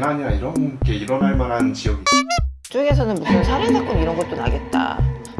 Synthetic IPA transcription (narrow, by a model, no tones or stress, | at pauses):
nɦaɲiɾaiɾʌnɡe̞iɾʌnɦaɭmanɦanɯnt͡ɕiʌɡia | t͡ɕ͈oɡe̞s̬ʰʌnɯnmusʰɯnsʰaɾetʰak͈ɯniɾʌnɡʌt͈̚ona̰ɭɡe̞t̚t͈a̰